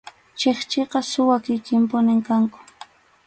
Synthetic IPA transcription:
t͡ʃeχt͡ʃeqɑsʊwakɪkɪmpʊnɪŋkaŋkʊ̥

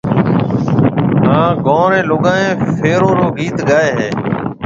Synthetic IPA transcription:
ɦãːɡõːɾẽːloːɠãːẽːfʰeːɾoːɾoːɡʱiːt̪ɡaːeːɦẽː

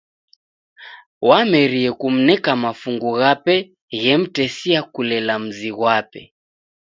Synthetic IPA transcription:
wamɛɾiɛkum̩nɛkamafuŋɡuɣapɛ | ɣɛm̩tɛsiakulɛlam̩ziɣwapɛ

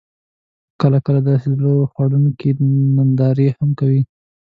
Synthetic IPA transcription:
kəlakəlad̪ɑsed̪lowxwaɽunkimand̪ɑɾehamkawi

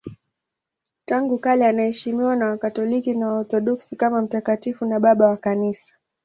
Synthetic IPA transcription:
taŋɡukalianahɛʃimiwanawakatɔlikinawaɔɾθɔɗɔksikamam̩takatifunaɓaɓawakanisḁ

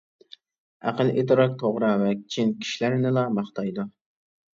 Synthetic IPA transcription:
æ̰qəlʔit̪ɨɾɑk̚t̪ʰoʁɾɑvɛkʲi̥t͡ʃʰinkʲʰi̥ʃlæɾnɪlɑmɑχt̪ʰɑjd̪u

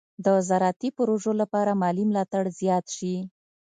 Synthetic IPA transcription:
d̪əzaɾɑt̪ipʊɾoʒolapɑɾamɑlimlɑt̪aɽzjɑt̪ʃi

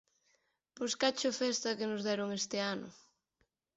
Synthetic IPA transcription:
poskat͡ʃʊfɛst̪ɐkɪnʊzðɛɾʊŋest̪ɪanʊ̰

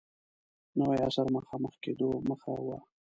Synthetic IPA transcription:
nəwajasaɾməxɑməxked̪oməxawa

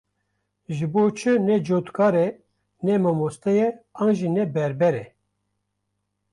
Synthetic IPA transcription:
ʒɨboːt͡ʃʰɨnɛd͡ʒoːt̪kʰɑːɾɛ | nɛmɔmost̪ɛjɛɑːnʒinɛbɛɾbɛɾɛ

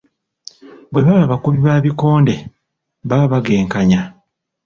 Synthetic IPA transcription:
bweβaβaβakuβiβaːβiko̞ːnde̞ | βaβaɡe̞ːŋkaɲa

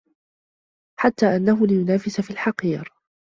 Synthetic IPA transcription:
ħat̪ːaːʔanːaɦʊlɪjʊnaːfɪsafiːlħɑqiːɾ

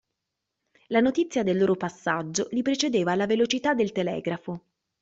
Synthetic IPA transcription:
lanot̪it̪sːjad̪elːoːɾopasːad͡ʒːolipɾet͡ʃed̪eːvalavelot͡ʃit̪ad̪ːelt̪elɛ̰ːɡɾafo

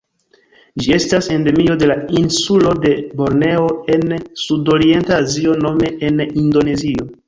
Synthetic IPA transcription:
d͡ʒie̞stase̞nde̞mio̞de̞lainsulo̞de̞bo̞ɾne̞o̞ensudo̞ɾie̞ntaːzio̞no̞me̞ʔenindo̞ne̞zio̞

